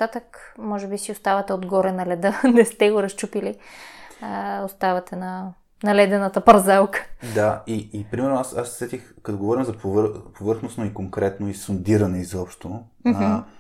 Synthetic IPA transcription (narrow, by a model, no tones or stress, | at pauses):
t̪at̪əkmɔʒɛbisiʊst̪avɐt̪ɛod̪ɡɔɾɛnɐlɛd̪ənɛst̪ɛɡoɾɐst͡ʃupili | ost̪avɐt̪ɛnɐ | nɐlɛd̪ɛnɐt̪əpɐɾzalˠkə̥d̪aiːpɾimɛɾnoasassɛt̪ixkt̪oɡovɔɾimzɐpovɾpovɤɾxnosnoikoŋkɾɛt̪noisond̪iɾɐnɛizɔpʃt̪o | m